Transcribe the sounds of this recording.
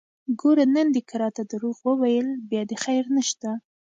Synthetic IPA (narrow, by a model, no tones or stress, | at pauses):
ɡoɾanənd̪ekaɾɑt̪ad̪əɾoɣwəwajəlbjɑd̪exajɾnəʃt̪a